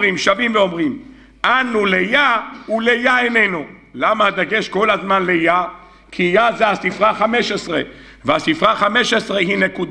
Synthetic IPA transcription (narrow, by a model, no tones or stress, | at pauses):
ʁimʃavimveo̞mʁim | ʔanulejaulejaenenulamaad̪aɡe̞ʃko̞lazmanleja | kʰijazeasifʁaχameʃesʁe | veasifʁaχameʃesʁeɦine̞kud̪